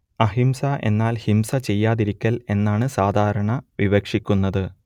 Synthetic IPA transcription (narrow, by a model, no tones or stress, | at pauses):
ɐɦimsɐʔe̞̰nːaːlhimsɐt͡ɕe̞jːaːðiɾikʲːɐle̞nːaːɳɨsaːd̪ʱaːɾɐɳɐʋiʋɐkʂikʲːunːɐðɨ